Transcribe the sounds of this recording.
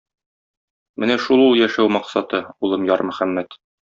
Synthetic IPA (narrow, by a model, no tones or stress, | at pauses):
mɘnæʃulˠulˠjæʃæwmɑqsɑt̪ɤulˠɤmjɒɾmɵ̆χæmːæt̪